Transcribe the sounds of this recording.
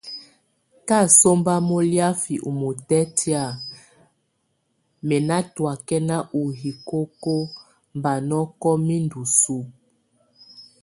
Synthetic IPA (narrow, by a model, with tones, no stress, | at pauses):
ka˦˨so˦mba˦mo˦lja˦fi˨ʔu˨mo˨tɛ˦tʰi˦a˦˨ | mɛ˨na˦twa˨kɛ˦na˦ʔu˨ɦi˨ko˦ko˦ | mba˨nɔ˦kɔ˦mi˦ndu˨su˦